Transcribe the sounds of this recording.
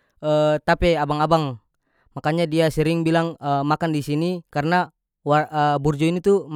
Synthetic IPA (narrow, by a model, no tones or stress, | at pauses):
ət̪apɛabaŋabaŋ | makaɲadiasəɾɪŋbilaŋəmakandisinikarəna | waəburd͡ʒɔinit̪um